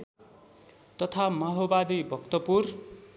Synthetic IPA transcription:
t̪ʌt̪ʰamʌɦobad̪ibʱʌkt̪ʌpur

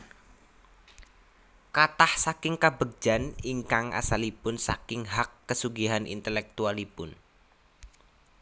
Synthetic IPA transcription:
kat̪ahsakɪŋkabəɡ̥̚d͡ʒ̥aniŋkaŋa̰salipʊnsa̰kɪŋɦakːəsuɡiɦanʔḭnt̪əlɛk̚t̪ualipʊn

